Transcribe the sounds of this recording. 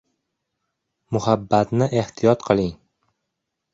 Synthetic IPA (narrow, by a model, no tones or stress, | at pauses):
mʊhabːat̪nɪʔeht̪ʰijɒt̪qʰɨlˠɪŋ